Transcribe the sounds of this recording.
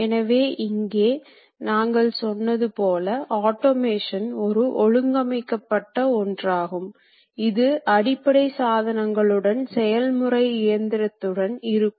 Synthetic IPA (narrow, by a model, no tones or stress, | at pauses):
ɛnɐʋeːʔɪŋɡeː | naːŋɡɐɭsɔnːɐðɯpoːlɐʔaːʈːomeːʂɐnɔɾɯʔɔɻɯŋɡɐmɐɪkːɐpːɐʈːɐɔndraːɣɯm | ɪðɯʔɐɽɪpːɐɽɐɪsaːðɐnɐŋɡɐɭɯɽɐnsɛjɐlmɯrɐɪɪjɐnd̪ɪɾɐt̪ːɯɽɐnɪɾɯkː